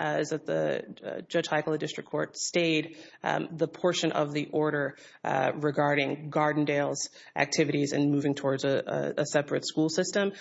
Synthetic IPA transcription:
zɨt̪̚ðɨ̰̥d͡ʒʌ̥ʒ̥haɪkl̩ˠədɪstɹ̥ɨkʰɔɹtsteɪd̪̚ðəpʰɔɹʃɨ̃nʔʌ̰vðiʔɔɹɾə˞ | ɹɨɡɑɹɾɪ̃ŋɡɑɹdⁿn̩deɪlˠz̥ | ʔæ̰k̚tʰɪvɨɾizɨ̰̃nmʉvɪ̃ŋtʰɔɹdzɨəsɛpɹɨtskulˠsɪstə̃m

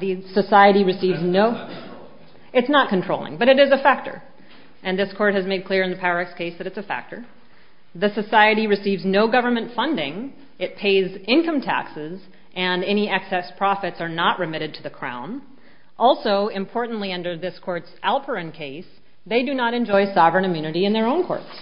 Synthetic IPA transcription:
ðɨsɨsaɪɨɾiɹɨsivznoʊ | ɨtsnət̚kɨ̃ntʰɹ̥oʊlˠɪ̰̃ŋbʌɾɨɾɨzɨfæk̚tə̰˞ | ɨ̃nðɪskʰɔɹt̚hɨzmeɪd̚kʰl̥ɪɹɨ̃nðɨpʰæɹɨkskʰeɪsðɨɾɨtsɨfæ̰k̚tə̰˞ | ðɨsɨsaɪɨɾiɹɨsivznoʊɡʌvə˞mɨ̃ntfʌ̃ndɪ̃ŋ | ɨt̚pʰeɪzɪ̃nkʌ̃mtʰæ̰ksɪz | ʔɨ̃nɛniæksɛspʰɹ̥ɑfɨtsə˞nəʔɹɨmɪɾɨd̚tʰɨðɨkʰɹ̥ã̰ʊ̃n | ʔɔlˠsoʊɨ̃mpʰɔɹʔn̩ʔliʌ̃ndə˞ðɪskʰɔɹtsælˠpʰə˞ɨ̃nkʰeɪs | ðeɪdɨnəɾɨ̃nd͡ʒɔɪsɑvɹɨ̃nɨmjʉnɨɾiɨ̃nðə˞õʊ̃nkʰɔ̰ɹts

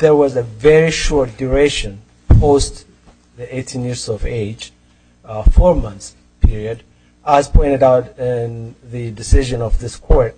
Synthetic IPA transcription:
ðə˞wʌzəvɛɹiʃɔɹt̚d̥uɹeʃɨ̃n | pʰoʊst | ðieɪtʰĩnjɪɹzɔveɪd͡ʒ | fɔɹmʌ̃nθs | pʰɪɹiɨd | əz̥pʰɔ̃ɪ̃ntɨɾaʊtɪ̃nðɨdɨsɪʒɨ̃nʌvðɪskʰwɔɹt̚

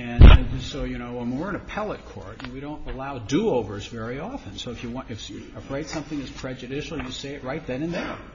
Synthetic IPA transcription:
ɨ̃nsoʊjɨñoʊə̃nmwɪɹɨ̃nɨpʰɛlˠət̚kʰɔ̰ɹtjɨwiɾõʊ̃ntəlaʊduoʊvə˞zvɛɹiɑfɨ̃nsoʊɨfjɨwɨfjɨəpɹeɪtsʌ̃mθɪ̃ŋɨz̥pʰɹ̥ɛd͡ʒɨdɪʃl̩ˠjɨseɪɨt̚ɹaɪt̪̚ðɨ̃nɨ̃nðə˞

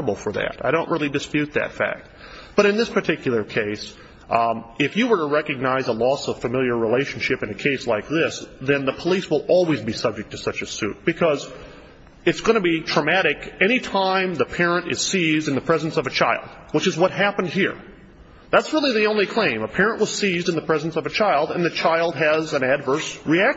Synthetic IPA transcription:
əbl̩ˠfə˞ðæ̰ɾaɪɾõʊ̃nʔɹɪlˠidɨspjʉt̪̚ðɨ̰tfæ̰k̚t̚b̥ʌɾɨ̃nðɪspʰə˞tʰɪkjl̩ˠə˞kʰeɪs | ɪfjɨwə˞ɾəɹɛkɨɡ̚naɪzəlɔsʌv̥fɨmɪlˠjə˞ɹileɪʃn̩ʃɪpɨ̃nɨkʰeɪslaɪk̚ðɪsðɨ̃nðəpʰəliswəlˠɔlˠwizbisʌb̚d͡ʒɨk̚tʰɨ̥sʌt͡ʃɨsʉ̰t̚b̥ɨkʰʌz | ɨtsɡ̥ʌnɨbidɹ̥əmæɾɨkɛɾ̃itʰãɪ̃mðɨpʰɛɹɨ̃ntɨ̰z̥sizdɨ̃nðɨpʰɹ̥ɛz̃n̩sʌvɨt͡ʃʰaɪlˠd̥̚ | wət͡ʃɨzwʌt̚ɦæpn̩d̚hiɹ | ðætsɹɪlˠiðiõʊ̃nlikʰl̥ẽɪ̃məpʰɛɹɨ̃nʔwʌz̥sizdɨ̃nðəpʰɹ̥ɛzn̩sʌvɨt͡ʃʰaɪlˠdɨ̃nðɨt͡ʃʰaɪlˠd̚ɨzɨ̃nædvə˞sɹiæk̚

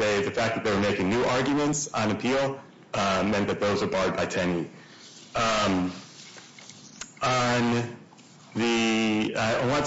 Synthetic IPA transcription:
eɪðɨfæk̚ðɨt̪̚ðeɪwə˞meɪkɪ̃ŋnʉʔɑɹɡjmɨ̃ntsə̃nɨpʰilˠ | ʌmɛ̃nðɨt̪̚ðoʊzə˞bɑɹd̚baɪtʰɛ̃ni | ʌ̃m | ə̃n | ðiaɪwɑ̃

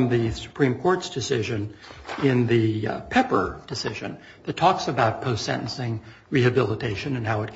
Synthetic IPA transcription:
mðɨsə̥pʰɹ̥ĩmkʰɔɹtsd̥ɨsɪʒɨ̃nɪ̃nðɨpʰɛpə̰˞d̥ɨsɪʒɨ̰̃n | ðɨtʰɔksɨbaʊt̚pʰoʊstsɛ̰̃ñʔn̩sɪ̃ŋ | ɹihɨbɪlˠətʰeɪʃɨ̃nɨ̃nɦaʊɨt̚

